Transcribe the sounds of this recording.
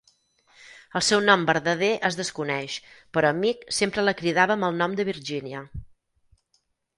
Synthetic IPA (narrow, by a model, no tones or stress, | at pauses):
əlˠsɛwnɔmbəɾðəð̞eʔəzðəskunɛʃpəɾɔəmiksempɾələkɾiðaβəməlˠnɔmd̪əβ̞iɾʒiniə